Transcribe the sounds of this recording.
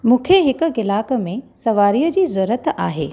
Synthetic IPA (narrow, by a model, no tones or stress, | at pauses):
mũːkʰeɦɪkʊ̆ɡɪlaːkə̆mẽsɐʋaːɾiːəd͡ʑiːzʊɾət̪a̰ːɦḛː